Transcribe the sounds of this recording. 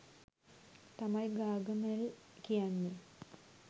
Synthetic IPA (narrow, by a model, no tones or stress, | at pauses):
t̪ɐmajɡaːɡɐmelkijanːi